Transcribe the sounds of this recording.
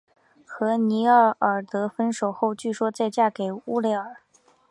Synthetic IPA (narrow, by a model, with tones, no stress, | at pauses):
xɤ˧˥ni˧˥ə˥˩ə˨˩t̪ɤ˧˥fə˥nʂo˨˩ʊxo˥˧ʊt͡ɕy˥˩ʂwɔ˥t͡sa˥˧ɪt͡ɕja˥˩ke˨˩ɪu˥le˧˥ɪə˞˨˩˦